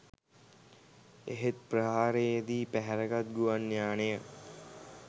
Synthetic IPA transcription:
eɦet̪̚prəɦaːɾeed̪iːpæɦɛɾəɡat̪̚ɡuʋanːjaːnejə

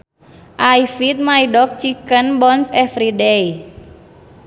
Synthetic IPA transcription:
ʔajfit̪̚maiɖɔk̚t͡ʃikənbɔnsɛfɾidej

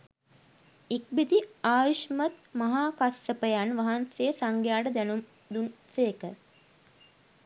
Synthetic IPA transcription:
ik̚bid̪iaːjiʃmət̪mɐɦaːkasːəpəjanʋaɦansesaŋɡjaːɖəd̪ænum | d̪unseːkə

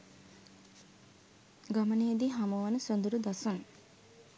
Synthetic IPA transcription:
ɡaməned̪iɦamuʋanəsond̪uɾud̪asun

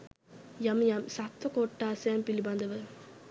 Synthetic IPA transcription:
jɐmjamsat̪ːɐkoʈːaːsempiliband̪ɐʋɐ

